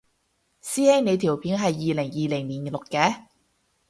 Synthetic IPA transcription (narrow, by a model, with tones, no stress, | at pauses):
siː˥ɛ˥jne˨˧jt̪ʰiː˨˩wpʰiː˨˥ŋɦɐ˨jːiː˨lɪ˨˩ŋjiː˨lɪ˨˩ŋniː˨˩n˨˩lʊ˨kːɛː˧˥